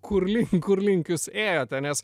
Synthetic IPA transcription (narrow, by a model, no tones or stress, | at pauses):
kʰʊɾlʲɪŋkʊɾlʲɪŋʲkʲʊseːjoːt̪ʲɛnʲɛs